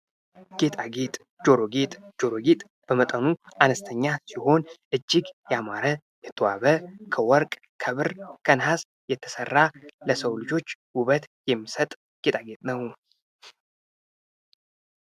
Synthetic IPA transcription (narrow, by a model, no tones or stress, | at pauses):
ɡ̥e̞t̪ʼaɡe̞t̪ʼ | d͡ʒo̞ɾo̞ɡe̞t̪ʼd͡ʒo̞ɾo̞ɡet̪ʼ | b̥əmət̪ʼənuanəst̪ʰəɲːasiho̞nʔɨd͡ʒːiɡjɛamaɾə | jɛt̪ʰːəwa̰βəkʰəwɔɾkʼ | kʰəβɨɾkʰənhas | jɛt̪ʰːə̥sərːaləsəwlɨd͡ʒo̞t͡ʃːwuβət̪jɛmːisət̪ʼ | ɡ̥e̞t̪ʼaɡe̞t̪ʼnəw